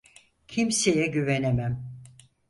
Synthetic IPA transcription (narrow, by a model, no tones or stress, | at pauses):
cʰimsejɛɟyvenemæm